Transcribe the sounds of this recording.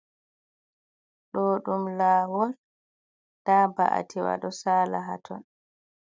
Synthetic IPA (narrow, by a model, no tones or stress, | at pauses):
ɗɔɗumlaːwɔl | d̥abaʔa̰tʰiwa̰ɗɔsaːlaɦa̰tʰɔn